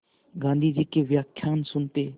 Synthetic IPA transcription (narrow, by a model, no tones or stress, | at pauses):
ɡãːnd̪iːd͡ʒɪkːeːʋjaːkʰjaːnsʊnt̪eː